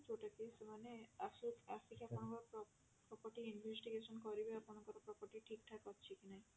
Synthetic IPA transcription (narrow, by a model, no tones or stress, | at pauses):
t͡ʃoʈakisemaneasuasikakɔnɔkɔ | pɾɔpɔɾʈiinbʱesʈiɡesɔnkɔɾibeakɔnɔŋkɔɾɔpɾɔpɔɾʈiʈʰikʈʰakɔtːt͡ʃʰikinaj̃